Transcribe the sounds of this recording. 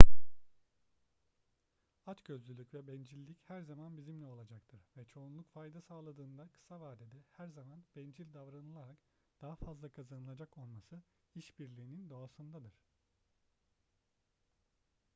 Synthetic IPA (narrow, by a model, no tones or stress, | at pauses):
at͡ʃɟø̞zlʲylʲycvɛbɛnd͡ʒilʲːichæɾzamanbizimlʲɛo̞lˠad͡ʒakt̪ʰɯɾ̥vɛt͡ʃʰo̞unlˠukfajd̪asaːlˠad̪ɯːnd̪akʰɯ̥savaːd̪ɛd̪ɛhæɾzamanb̥ɛnd͡ʒilʲd̪avɾanɯlˠaɾak | d̪̥aɦafazlˠakʰazanɯlˠad͡ʒako̞lˠmasɯ | iʃbiɾlʲiːnind̪o̞asɯnd̪ad̪ɯɾ̝̥